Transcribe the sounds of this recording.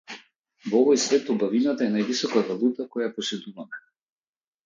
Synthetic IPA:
vɔɔvɔjsvɛt̪ɔbavinat̪aɛnajvisɔkaɾalut̪akɔjaɛpɔsɛd̪uvamɛ

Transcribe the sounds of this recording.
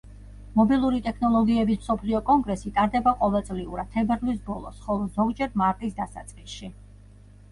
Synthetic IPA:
mɔbilˠuɾit̪ʼɛkʰnɔlˠɔɡiɛbismsɔpʰliɔkʼɔŋɡɾɛsit̪ʼaɾd̪ɛbaqʼɔvɛlˠt̪sʼliuɾat̪ʰɛbɛɾvlis̬bɔlˠɔsχɔlˠɔzɔɡd͡ʒɛɾmaɾt̪ʼisd̪asa̰t̪sʼqʼisʃi

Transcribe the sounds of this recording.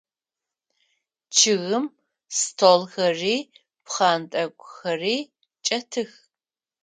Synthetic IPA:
t͡ʃʰɪɣɨm | stʰoːlxɐriː | pχɑːntʼɐkʷʼxɐriː | t͡ʃʼɐtʰɨx

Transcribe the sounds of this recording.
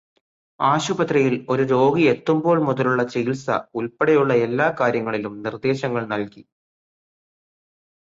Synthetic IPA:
aːɕubɐt̪rɐjilo̞ɾuɾo̞ːɡie̞t̪ːumbo̞ːɭmuðɐluɭːɐt͡ɕiilsɐ̰ulpeɽɐjuɭːɐe̞lːaːkaːɾjɐŋːɐɭilumnird̪e̞ːɕɐŋːɐɭnɐlki

